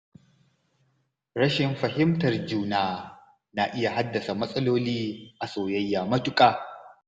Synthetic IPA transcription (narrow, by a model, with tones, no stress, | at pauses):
ɾɐ˦ʃɪ˨mɸɐ˨ɦɪ˦mtɐ˨rd͡ʒuː˦naː˨ | na˨ʔɪ˦ja˨ɦa˦dːɐ˨sa˨mɐ˦sʼɐ˦loː˦liː˦ʔa˨soː˨jɐ˦jːaː˨mɐ˦tʊ˦kʼaː˨